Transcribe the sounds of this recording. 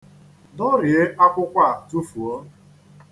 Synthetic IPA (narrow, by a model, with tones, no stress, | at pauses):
dɔ˦ɾɪ˨e˦ʔa˦kʷʊ˦kʷa˦˨tu˦fu˨o˦